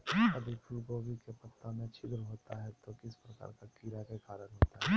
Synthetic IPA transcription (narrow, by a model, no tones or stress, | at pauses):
ɐd̪əɾpʰʊlboːɡikepɐt̪ːamẽt͡ʃʰɪd̪ɾəɦoːt̪aɦɛt̪okɪspɾɐka̰ːɾkakiɾakekaːɾənɦoːt̪aɦɛ